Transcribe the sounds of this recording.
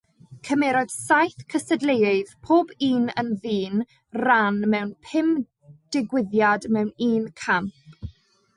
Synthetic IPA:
kʰəmɛɾɔd̥sajθkʰəsədlejɪðpʰoːbiːnə̰nðiːn | ranmɛwnpʰɪm | d̥ɪɡwɪðjadmɛwniːnkʰam

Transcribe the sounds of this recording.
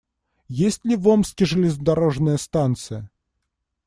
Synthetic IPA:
jesʲtʲlʲɪvomskʲɪʐɨlʲɪzəd̪ɐɾoʐnəjəst̪ant̪sɨjə

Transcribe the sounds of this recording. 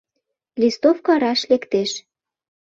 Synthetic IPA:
list̪ofkŏɑɾɑʃlekt̪eʃ

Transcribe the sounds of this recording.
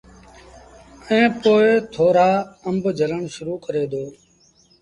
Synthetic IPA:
ɛ̃ːpoːet̪ʰoːɾaːəmbʱd͡ʒʱələɳʃʊɾuːkəɾeːd̪oː

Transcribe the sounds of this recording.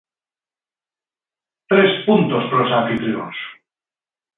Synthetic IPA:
t̪ɾespunt̪ospɾosanfit̪ɾios

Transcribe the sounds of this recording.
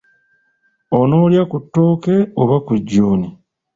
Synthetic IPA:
ono̞ːljakutːo̞ːke̞oβakuɟːoːni

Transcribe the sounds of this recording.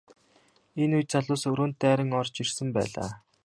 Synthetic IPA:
enujt̪t͡sʰaɮʊːsɵɾoːnt̪̚ːæːɾə̆ŋɔrt͡ɕirsə̆mpæ̰ːɮa̰ː

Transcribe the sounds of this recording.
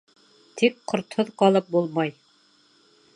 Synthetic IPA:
t̪ʰikqʰːŏɾt̪hoðqɑlˠɤp̚bulˠmɑj

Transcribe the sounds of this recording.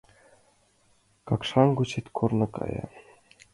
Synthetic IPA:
kɑkʂɑnɡut͡ɕit̪ʲkʰurnɤ̆kɑ̰jɑ̰

